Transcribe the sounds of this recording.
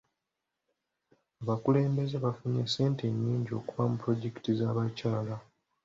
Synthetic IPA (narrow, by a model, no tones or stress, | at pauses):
aβakule̞ːmbe̞ze̞βafuɲese̞ːnteɲːiːɲɟo̞̰kuvamupɾo̞ɟe̞ki̥tizaːβacaːla